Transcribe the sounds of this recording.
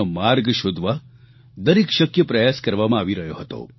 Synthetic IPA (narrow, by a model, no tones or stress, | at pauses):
əmaɾɡʃʊd̪ʱʋa | d̪əɾikʃəkjəpɾəjaskəɾʋamãaʋiɾəɦjoɦət̪o̰